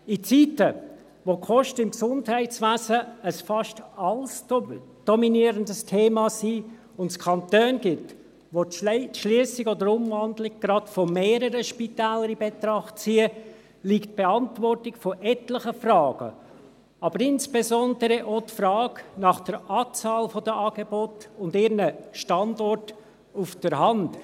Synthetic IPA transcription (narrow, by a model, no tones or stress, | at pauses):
it͡sitə | ʋokʰɔʃtəɪmksʊndhɛɪtt͡sʋæːzəəsfɑʃtɑls | d̥ɔminiəɾəndəstʰeːmɑsiː | ʊntskʰɑntøːnɡɪt | ʋotʃliəsɪɡɔdəɾʊmvɑndlɪɡ̚ɡ̥ɾɑtfɔmeːɾəɾəʃpitæːləɾibɛt̪ɾɑχt̚t͡siːə | likt̚b̥eɑntvɔrtɪkfɔʔɛtləχəfrɑːɡ̥ə̰ | ɑbəɾɪnsb̥ezɔndəɾɛʔotfrɑːɡnɑχd̥əɾʔɑːt͡sɑːlfɔdəʔɑːɡ̥ebɔtʊndɪːɾnəʃtɑndɔrt | ufd̥əɾɦɑnt